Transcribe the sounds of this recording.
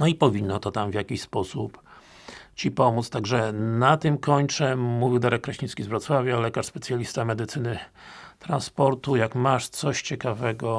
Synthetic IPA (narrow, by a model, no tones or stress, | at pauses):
nɔipɔvʲinːɔt̪ɔt̪amvʲjakʲiɕspɔsup | t͡ɕipɔmut̪st̪aɡʐɛnat̪ɘmkɔɲt͡ʂɛmuvʲiwd̪aɾɛkːɾaɕĩskʲizvɾɔt̪swavʲjalɛkaʂspɛt̪sʲjalʲist̪amɛd̪ɘt̪sɘnɘ | t̪ɾanspɔɾt̪ujakmaʂt̪sɔɕt͡ɕɛkavɛɡɔ